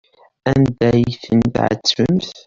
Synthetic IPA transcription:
ænd̪æjθənt̪ʕə̰t͡sːəmθ

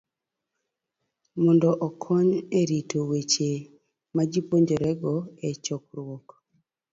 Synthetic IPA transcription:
mɔndɔʔɔkʰɔɲeɾitowet͡ʃe | mad͡ʒipoɲd͡ʒoɾɛɡɔɛt͡ʃɔk̚ɾwɔk

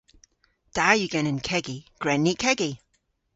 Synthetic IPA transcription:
d̥ajɨɡɛnə̃nkʰɛɡiɡ̥ɹɛnːikʰɛɡi

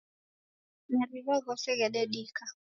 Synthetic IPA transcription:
nɛɾiβɔɣɔsɛɣɛɗɛɗika

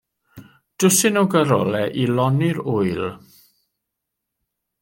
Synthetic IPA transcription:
d̥ʊsɪnɔwɡəɾɔ̰lɛʔilɔnɪɾʊɨlˠ

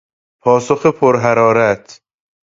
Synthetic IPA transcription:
pʰɒːsoxepʰoɾɦæɾɒːɾæt̪ʰ

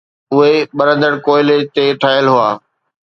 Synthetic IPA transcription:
ʊɦeɓɐɾə̃nd̪əɽkoːɪlet̪eʈʰaːɪəlɦʊaː

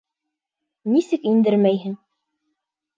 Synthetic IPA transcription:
nisɘkind̪ɘɾmæjɦɘŋ

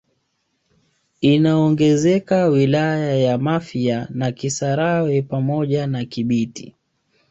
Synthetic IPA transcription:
inaɔŋɡɛzɛkawilajajamafianakisaɾawɛpamɔʄanakiɓitḭ

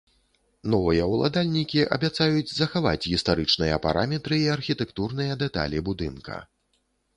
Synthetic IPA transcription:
nɔvɨjɐwlˠa̰d̪alʲnʲikʲiʔɐ̰bʲat̪sajud͡zʲzɐxava̰t͡sʲɣʲist̪aɾɨt͡ʂnɨjɐ̰paɾamʲɛt̪ɾɨiɐrxʲit̪ɛkt̪urnɨjɐd̪ɛt̪a̰lʲibud̪ɨnkɐ̰

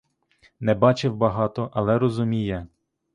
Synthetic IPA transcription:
nɛbɑt͡ʃɪwbɐɦɑt̪ɔʔɐlˠɛɾɔzʊmʲijɐ

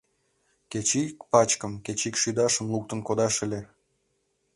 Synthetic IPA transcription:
ket͡ɕikpɑt͡ɕkəmkʲet͡ɕikʃyd̪ɑʃəmluk̚t̪ənkod̪ɑʃə̆lʲe

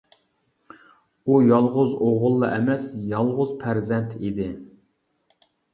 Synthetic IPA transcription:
ujɑlˠʁʊzoʁʊlˠːɑʔɛmɛsjɑlˠʁʊzpʰæɾzɛnt̪ʰid̪ɪ

